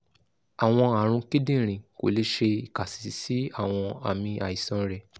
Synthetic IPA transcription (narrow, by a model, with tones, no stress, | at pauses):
a˨w̃ɔ̃˧a˨ɾ̃ũ˧ki˦dĩ˦˨ɾ̃ĩ˨ko̰˨le˧˦ʃe˧i˨ka˨si̥˨si˨˦a˦˨w̃ɔ̃˧a̰˨mĩ˧ʔa̰˨i˨sɔ̃˨˧ɾɛ˨